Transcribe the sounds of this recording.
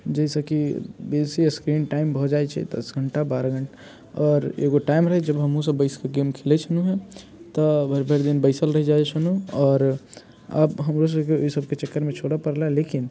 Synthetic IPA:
d͡ʒəisəkibesiskɾinʈaɪmbʱɔd͡ʒajt͡ʃʰɛ̰d̪ə̰sɡʱəɳʈabaɾaɡʱəɳʈ | ɔːɾḛɡoʈaimɾəɦɛd͡ʒəbɦəmɦus̬əbəɪskeɡemkʰelɛt͡ʃʰənuɦɛ̃ | t̪ɔbʱəɾbʱeɾd̪inbəɪsəlɾəɦid͡ʒat͡ʃʰənuɔːɾ | ə̰bɦəmɾos̬əbkeoisəb̚ʱket͡ʃəkːəɾmet͡ʃʰoɽapəɾlaɛlekin

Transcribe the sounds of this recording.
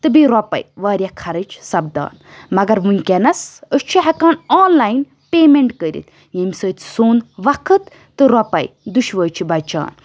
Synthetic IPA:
t̪ɨbiɾɔpɐ̰jʋaːɾʲjɐkʰɐɾɨt͡ʃʰsɐb̚d̪a̰ːn | mɐɡɐɾʋunʲkʲenɐsəst͡ʃʰiɦɐkaːnoːnlaːjn | pʲeːmeɳʈkəɾḭt̪ | jɐmʲsəːt̪ʲʰsoːnʋɐkʰɨt̪ːɨɾɔpɐ̰jd̪uʃʋəːt͡ʃʰibɐt͡ʃa̰ːn

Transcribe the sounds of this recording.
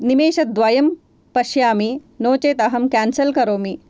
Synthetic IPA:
nimeːʃɐt̪̚d̪ʋɐjɐm | pɐʃjaːmi | noːt͡ʃeːt̪ɐɦɐmkaːnsɐlkɐɾoːmi

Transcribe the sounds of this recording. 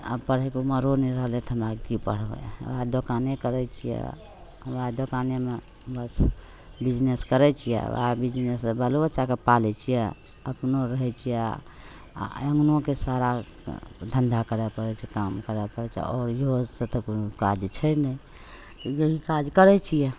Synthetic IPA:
a̰pəɽ̤ɛkuməɾonɛɾəɦlet̪ʰəmɾakipəɽ̤bɛ̰ʋad̪okanekəɾɛt͡ʃʰijɛ̰ | ʋad̪okaneme | bəs | bid͡ʒneskəɾɛt͡ʃʰijɛ̰ʋa̰bid͡ʒnesbəlobət͡ʃakepalɛt͡ʃʰijɛ | əpnoɾəɦɛt͡ʃʰijɛ̰ | əŋɡnokesaɾa | d̪ʱənd̪ʱakəɾɛpəɽɛt͡ʃʰɛkamkəɾɛpəɽɛt͡ʃʰɛ̰ɔːɾjosət̪əkokad͡ʒt͡ʃʰənɛ | jəɦikad͡ʒkəɾɛt͡ʃʰijɛ

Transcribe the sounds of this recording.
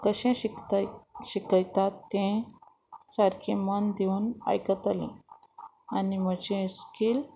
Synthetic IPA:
kəɕẽt̪ɕikəjt̪at̪ːẽ | saɾkʰẽmənd̪euna̰jkət̪alḭ̃ | animəd͡ʑẽskil

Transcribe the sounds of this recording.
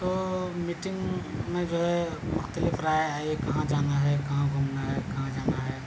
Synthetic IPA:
t̪omiʈɪ̃ŋɡmẽd͡ʒoːɦɛmʊxt̪əlɪfɾaːeaːekɐɦãd͡ʒaːnaɦɛkɐɦãkomnaɦɛkɐɦãd͡ʒaːnaɦɛː

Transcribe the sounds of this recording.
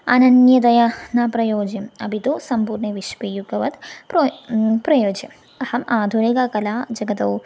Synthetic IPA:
ɐnɐnjɐt̪ɐjɐnapɾɐjoːd͡ʒjɐmɐ̰bʱit̪oːsɐmpuːɾɳɐʋiʃpijuɡɐʋɐt̪popɾɐjoːd͡ʒɐm | ɐhɐmʔaːd̪ʱuneɡakɐlaːd͡ʒɐɡɐt̪ɐw

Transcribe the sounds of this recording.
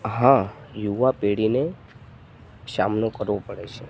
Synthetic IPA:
ɦã | juʋapeɽine | sa̰mnokəɾʋopəɽet͡ʃʰe

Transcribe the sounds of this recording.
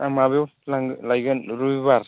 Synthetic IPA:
amabewlaŋlajɡanɾuibaɾ

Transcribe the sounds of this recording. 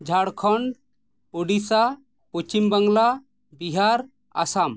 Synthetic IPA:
d͡ʒʱaɽkʰɔɳɖ | oɖisa | pot͡ʃimbaŋɡla | biɦaɾ | a̰sam

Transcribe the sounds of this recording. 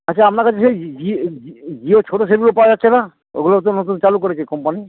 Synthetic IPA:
aaamnaɾkat͡ɕʰeʃejd͡ʑiid͡ʑiot͡ɕʰoʈos̬elɡulopawad͡ʑatːɕʰena | ḛɡulot̪onot̪̬unt͡ɕalukoɾet͡ɕʰekɔmpani

